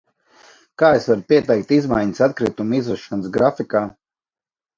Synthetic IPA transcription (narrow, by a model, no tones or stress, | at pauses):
kaːesvaɾpiɛt̪ɛjk̚t̪izmajɲəsat̪kɾit̪umizvɛʃanəsɡɾafikaː